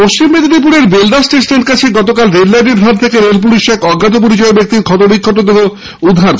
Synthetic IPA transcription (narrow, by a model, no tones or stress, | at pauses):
post͡ɕimbed̪id̪ip̬uɾeɾbeld̪asʈesʈeʈkat͡ɕʰeɡɔt̪okalɾellajɖeɾb̪ʱɔɾt̪ʰekeɾelp̬uliʃɛkɔɡːat̪̬op̬oɾit͡ɕɔebek̚t̪iɾkʰɔt̪oɾikʰːɔt̪od̪eɦo | ud̪ʱːaɾ